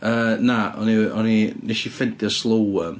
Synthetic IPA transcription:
əːnaʔɔ̰niɔnineʃifɪntiɔslˠowə

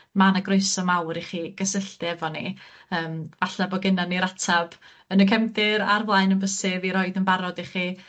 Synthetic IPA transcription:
manaɡroɨsɔmawɾiχiːɡ̥əsəɬtɛvɔniəːmvaɬabɔɡɪnaniɾatʰab̥ | ənəkʰɛmθɪɾa̰rvlˠaɨnənbəsɪviɾɔɨdənbaɾɔdiχi

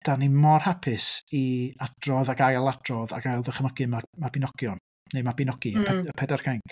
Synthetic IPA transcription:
d̥animɔrhapʰɪsiad̥rɔðaɡajlˠadrɔða̰ɡajlˠðəχəməɡ̥ɨmamabɪnɔɡ̥jɔn | nemabɪnɔɡ̥iəpʰɛdarkʰajŋk

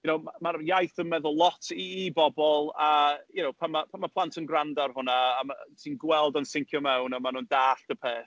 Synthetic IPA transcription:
ɡʊnowmamarjajθənmɛðəlˠɔtʰiːbɔbɔlˠajʊnowpʰamapʰamapʰlˠantʰənɡrandarhʊnaːmsʰiːnɡwɛlˠdɔnsɪŋkʰjɔmɛwnamanundaːɬd̥əpʰeːθ

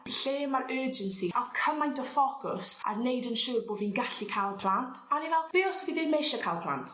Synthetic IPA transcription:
ɬeːmaɾəːd͡ʒənsiʔɔkʰəmajntʰɔfɔkʰʊsa̰rnejdənʃuːrboːvinɡaɬikʰalˠpʰl̥ˠantʰanivɛlˠb̥eɔsɔviðɪnmejʃakʰalˠpʰlˠa̰ntʰ

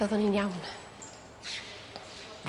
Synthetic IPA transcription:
ɔðɔninjawn

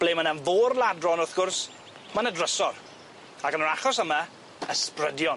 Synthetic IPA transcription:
b̥leːmənanvoːrlˠadrɔnɔrθɡ̥ʊrs | manədrəsɔr | akənɔɾaχɔsəma | əsprədjɔn

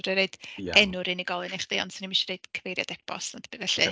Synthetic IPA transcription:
ɾiɾejd̥ɛnʊɾiniɡɔlˠɨneχd̥iɔ̰ndsɪnimiʃiɾed̥kʰəvejɾja̰d̥ɛpʰɔ̰snadʰəbivɛɬɨ

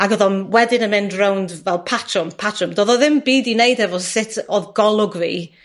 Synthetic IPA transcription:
aɡɔðɔnwɛdɪnənmɪndrawndvɛlˠpʰatʰrɔmpʰatʰrɔmdɔːðɔðɪmbiːdinejdɛvɔsɪtʰɔðɡɔlˠʊɡvḭː

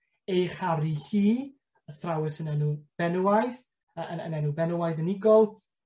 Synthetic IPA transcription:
ejχaɾiɬiː | əθrawɪsənɛnub̥ɛnəwajð | əəə̰nɛnubɛnəwajðənɪɡɔlˠ

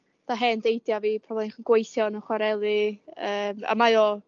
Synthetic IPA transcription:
d̥aɦɛndejdjaviːpʰrɔvɔinχnɡ̥wejθjɔnɔχwaɾɛlˠɨəːma̰majɔː

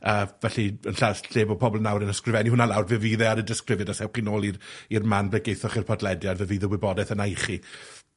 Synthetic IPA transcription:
əːvɛɬiənɬaɬeːbɔpʰɔbɔlˠnawɾənəskrɪvɛniɦʊnalˠawrvɨviːðɛaɾədɪskrɪvjədasɛwχinoːlˠirirmanbleɡejθɔχirpʰɔdlɛdjadvɨviðɛwɪbɔdɛθənajχi

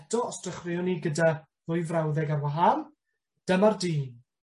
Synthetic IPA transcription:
dɔɔstrəχrɪɔniɡəda | vʊɨjvrawðɛɡarwaɦan | d̥əmardiːn

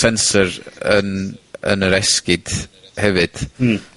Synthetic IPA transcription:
sɛnsəɾənə̰nəɾɛskɪd̥hɛvɨd̥

